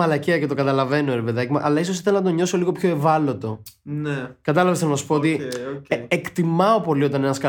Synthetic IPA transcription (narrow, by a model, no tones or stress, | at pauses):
ɐlɐceɐce̞t̪o̞kɡɐt̪ɐlɐve̞noeɾepeðɐcimɐ̰ʔɐlɐisosiθelnɐt̪̬o̞ɲo̞so̞liɣo̞pço̞e̞vɐlo̞t̪o̞nekɐt̪ɐlɐvesθelonɐsu̥po̞ot̪i | ekt̪imɐo̞po̞lio̞t̪ɐnenɐskɐ